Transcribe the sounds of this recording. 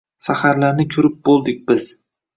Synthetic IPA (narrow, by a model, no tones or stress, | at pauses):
sahaɾlaɾnɪkʲʰʊɾɪp̚bolˠd̪ɪk̚ʲbɪz̥